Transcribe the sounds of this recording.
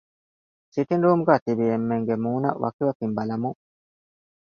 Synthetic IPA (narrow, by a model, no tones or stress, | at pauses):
sit̪inɾuːmuɡaːt̪ibiemːeŋɡemuːnɐ̰ʋʔɐ̰kiʋɐkimbɐlɐmu